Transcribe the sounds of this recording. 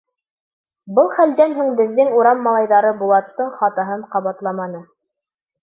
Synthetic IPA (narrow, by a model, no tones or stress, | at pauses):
bɤlˠχæld̪ænɦuŋbɘ̆ðːɘŋuɾɑmːɑlˠɑjðɑɾɤbulˠɑt̪ːɤɴχɑt̪ɑɦɤɴqɑβɑt̪lˠɑmɑnɤ